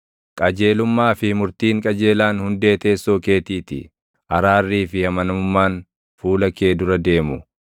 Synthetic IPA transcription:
kʼɐd͡ʒe̞ːlʊmːaːfɪmʊɾt̪iːŋkʼɐd͡ʒe̞ːlaːnhʊnd̪e̞ːt̪e̞ːsːoːke̞ːt̪iːt̪ɪ̰ | ʔɐɾaːrːiːfɪhɐmɐnɐmʊmːaːn | fuːlɐke̞ːd̪ʊɾɐd̪e̞ːmʊ

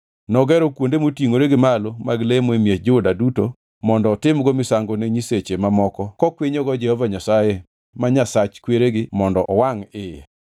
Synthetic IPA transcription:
nɔɡɛɾɔkwondemotiŋoɾeɡɪmalomaɡlemoemjed͡ʒodaduto | mɔndɔːtɪmɡɔmɪsaŋɡoneɲiset͡ʃemamɔkɔkɔkweɲɔɡɔd͡ʒɛhɔvaɲasaje | maɲasat͡ʃkweɾeɡɪmɔndɔʔɔwaŋɪja̰

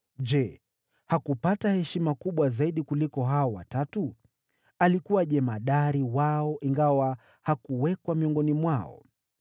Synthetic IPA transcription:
ʄɛ | hakupatahɛʃimakuɓwazaiɗikulikɔɦaɔwa̰tatu | alikuwaʄɛmaɗaɾiwaɔʔiŋɡawa | hakuwɛkwamiɔŋɡɔnimwaɔ̰

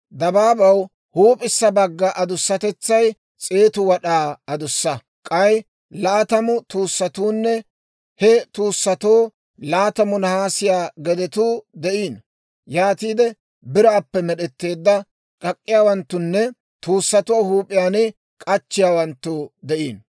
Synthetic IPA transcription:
d̪ɐbaːbɐw | huːpʼɪsːɐbɐɡːɐʔɐd̪ʊsːɐt̪ɛt͡sːɐj | t͡sʼe̞ːt̪ʊwɐɗaːɐd̪ʊsːɐ | kʼɐj | laːt̪ɐmʊt̪uːsːɐt̪uːnːɛ | hɛt̪uːsːɐt̪oː | laːt̪ɐmʊnɐhaːsɪjaːɡɛd̪ɛt̪uːd̪ɛʔiːn | jaːt̪iːd̪ɛ | bɪɾaːpːɛmɛɗɛt̪ːe̞ːd̪ːɐ | kʼɐkʼːɪjaːwɐnt̪ːʊnːɛ | t̪uːsːɐt̪oːhuːpʼːɪjaːnɪ | kʼɐt͡ʃːɪjaːwɐnt̪ːʊd̪ɛʔiːn

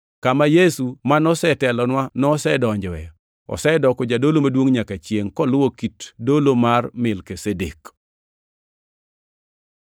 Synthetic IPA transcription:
kamajesumanɔsɛtɛlɔnwanɔsɛdɔɲd͡ʒɔwɛ | ɔ̰sɛdɔkɔd͡ʒadolomadwoŋɲakat͡ʃjeŋkɔlʊwokitdolomarmɪlkesedḛk

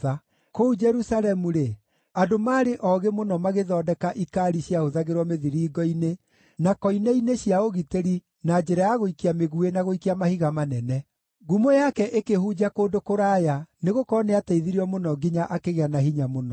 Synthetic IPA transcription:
a | koud͡ʒɛɾusalɛmuɾe | adomaːɾeʔɔɣemonɔmaɣeðɔːdɛkaʔikaɾiɕjaoðaɣeɾwɔmeðiɾiːɡɔine | nakɔinɛineɕiaoɣiteɾi | nad͡ʒɛɾajaɣoikiameɣuenaɣoikiamahiɣamanɛnɛ | ɣumojakɛʔekehud͡ʑakoːndokoɾaːjaneɣokɔɔneataiðiɾiɔmonɔɡiɲaʔakeɣeanaɦiɲamonɔ

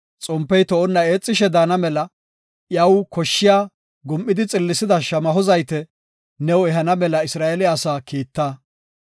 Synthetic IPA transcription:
t͡sʼɔmpːɛjt̪ɔʔɔnːɐe̞ːt͡sʼːɪʃɛd̪aːnɐmɛlɐ | jɐwkɔʃːɪjaː | ɡʊmʔːɪd̪ɪt͡sʼɪlːɪsɪd̪ɐʃɐmɐɦɔzɐjt̪ɛ | nɛwɛɦɐnɐmɛlɐɪsɾaːʔelɪaːsaːkiːt̪ːaː

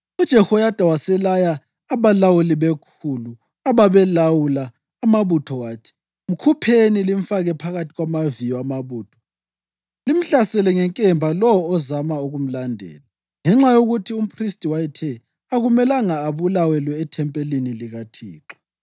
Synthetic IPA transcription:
ud̥ʒ̥ʱɛhɔjad̥ʱʼawasɛlajaː | βalawuliβekʰulu | aβaβɛlawulaː | maβutʰɔwaːtʰi̥ | m̩kʰupʰenilim̩faɣɛpʰaɣatʰiɣwamavijɔamaβuːtʰɔ̥ | lim̩ɬasɛlɛŋɛŋkʼɛmbʱalɔwɔːzamauɣum̩landʱɛ̰ːla | ŋɛŋ͡ǁajoɣutʰium̩pʰristʼiwajɛtʰɛ | aɣumɛlaŋaːβulawɛlɔɛtʰɛmpʼeliniliɣatʰḭːǁɔ̥

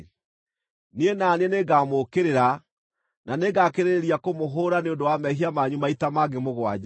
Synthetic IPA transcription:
nienaneneɡaːmokeɾeɾa | naneɡakeɾeɾiakomoɦoːɾaneondowamɛɦiamaɲumaitamaɡemoɣwa̰d͡ʒ

